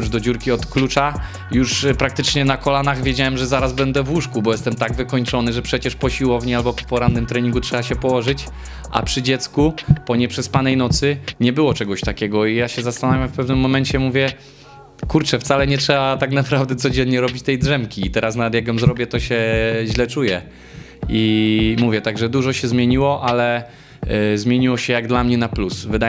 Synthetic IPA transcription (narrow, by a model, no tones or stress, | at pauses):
d̪ɔd͡ʑuɾkʲiɔt̪klut͡ʂa | juʂpɾak̚t̪ɘt͡ʂɲɛnakɔlanaɣvʲjed͡ʑawɛmʐɛzaɾazbɛnd̪ɛvwuʂkubɔjɛst̪ɛmt̪aɡvɘkɔɲt͡ʂɔnɘʐɛpʂɛt͡ɕɛʂpɔɕiwɔvɲɛalbɔppɔɾanːɘmt̪ɾɛɲiŋɡutʂɛbaɕɛpɔwɔʐɘt͡ɕ | ʔa̰pʂɘd͡ʑɛt̪skupɔɲɛpʂɛspanɛjnɔt̪sɘɲɛbɘwɔt͡ʂɛɡɔɕt̪akʲɛɡɔijaɕɛzast̪anavʲjamfpɛvnɘmːɔmɛnt͡ɕɛmuvʲjɛ | kuɾt͡ʂɛft̪salɛɲɛtʂɛbat̪aknapɾavd̪ɛt̪sɔd͡ʑɛnɲɛɾɔbʲit͡ɕt̪ɛjdʐɛmkʲiːt̪ɛɾasnavɛt̪jaɡjɔmzɾɔbʲjɛt̪ɔɕɛʑlɛt͡ʂujɛ | imuvʲjɛt̪aɡʐɛd̪uʐɔɕɛzmʲjeɲiwɔʔalɛ | zmʲjeɲiwɔɕɛjaɡd̪lamɲɛnaplusvɨd̪a